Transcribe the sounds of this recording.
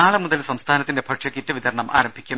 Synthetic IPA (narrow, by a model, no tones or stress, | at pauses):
aːɭɨmuðɐlsɐmst̪ʰaːnɐt̪ːindebʰʱɐʈʂɐkːitːɨʋid̪ɐɾɐɳɐmʔa̰ːɾɐmbʱikʲːum